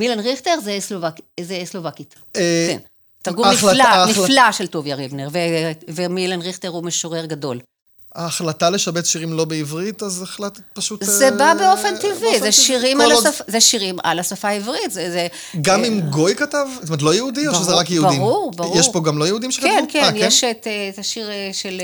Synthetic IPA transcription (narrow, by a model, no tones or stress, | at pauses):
milanʁiχteʁzeslovakizeslovakitː | kḛn | taʁɡuilaniflaʃeltovjaʁibneʁvevemilanʁiχteʁumeʃoʁeʁɡado̞l | aːχlataleʃabet̪ʃiʁimlo̞beivʁit̪azeχlat̪epaʃutzebabeo̞fent̪ivizeʃʃiʁimalasafazeʃiʁima̰lasafaivʁitzeze | ɡamimɡo̞jkatavtomet̬lojeudioʃezeʁakjehubadiʁuʁbaʁjeʃʁpo̞ɡamlo̞jehud̪imʃekaenkeanjeʃeteetaʃiʁʃel